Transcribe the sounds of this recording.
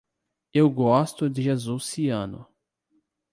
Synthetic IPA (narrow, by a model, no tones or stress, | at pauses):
ewɡɔst̪ʊd̪ɪʒezusiɐ̃nʊ̰